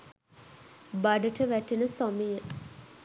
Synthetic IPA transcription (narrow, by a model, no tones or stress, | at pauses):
baɖəʈəʋæʈinəsomijə